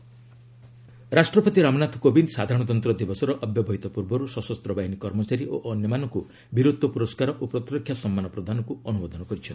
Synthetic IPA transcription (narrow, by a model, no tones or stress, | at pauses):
ɾasʈɾɔpɔt̪iɾamɔnat̪ʰkobind̪sad̪ʱaɾɔɽ̃ɔt̪̬ɔnt̪ɾɔd̪ibɔsɔɾɔʔɔbjɔbʱɔɦit̪ɔpuɾbɔɾusɔsɔst̪ɾɔbaɦinikɔɾmɔt͡ʃaɾiʔoʔɔnjɔmanɔku | biɾud̪ʱːɔpuɾɔskaɾɔʔupɾɔt̪ɾɔkʰjasɔmːanɔpɾɔd̪ʱanɔkuɔnubɔd̪ʱɔnɔkɔɾit͡ʃʰɔn